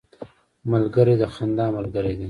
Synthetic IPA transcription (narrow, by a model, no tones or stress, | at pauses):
məlɡəɾed̪əxand̪ɑːmalɡəɾed̪i